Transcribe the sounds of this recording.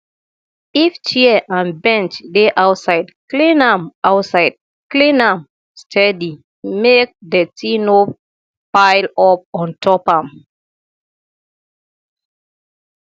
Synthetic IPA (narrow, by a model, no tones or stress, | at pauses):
ift͡ʃiʔãnbɛ̃nt͡ʃdeʔawtsaɪdklĩnãmʔaʊtsaɪd̚ | klĩnãm | stʰɛdi | mek̚ðətʰino | paɪlɔp̚ɔ̃ntʰɔpãm